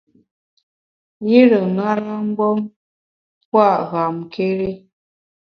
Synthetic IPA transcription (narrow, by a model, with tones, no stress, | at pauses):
ji˦ɾə˨n˦a˦ɾa˦ŋ̩˦ɡɔ˦m | pwa˦˨ʔɣa˨mkʰe˦ɾi˦